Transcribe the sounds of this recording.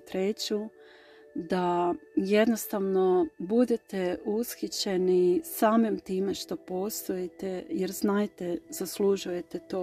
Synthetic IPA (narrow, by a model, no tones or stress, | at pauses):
t̪ɾe̞t͡ɕu | d̪aje̞d̪no̞st̪aʋno̞bud̪et̪e̞usxit͡ɕe̞nisaːmimt̪iːme̞ʃt̪o̞po̞ːst̪ojet̪ejeɾznaːjt̪ez̥asluʒuje̞t̪et̪oː